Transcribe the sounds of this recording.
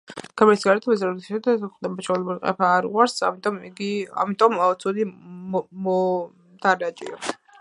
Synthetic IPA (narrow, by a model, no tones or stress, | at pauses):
kʰamɛɾsɡad̪at̪ʰɛbaszɾat̪ʰʃɛd̪aχd̪ɛbaʃɔlɛbuliqʼɛ̰pʰaːɾʁwaɾsamit̪ʼɔmiɡia̰mit̪ʼɔmaɔt̪sʰud̪i | mɔ | d̪̥ʰaɾat͡ʃʼḭɔ